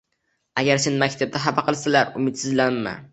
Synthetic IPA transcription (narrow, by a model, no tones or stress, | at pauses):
aɡʲaɾsenmakʲt̪ʰab̚d̪aɦabɑqʰɨlˠsalaɾʊmɪt̪sɪzlaːa̰